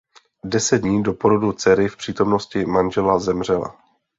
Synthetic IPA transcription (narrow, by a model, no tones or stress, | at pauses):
dɛsɛd̪̚dɲiːdo̞po̞ɾo̞dut͡sɛɾɪfpr̝̥iːt̪omno̞scɪmanʒɛlazɛmr̝ɛla̰